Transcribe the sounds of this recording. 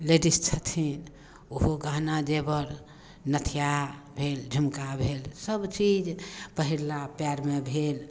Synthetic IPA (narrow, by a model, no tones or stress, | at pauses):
leʈist͡ʃʰət̪ʰin | oɦoɡãnad͡ʒebəɾ | nət̪ʰijabʱeld͡ʒʱəmkabʱelsəbt͡ʃid͡ʒpəɦiɾlapjaɾmebʱel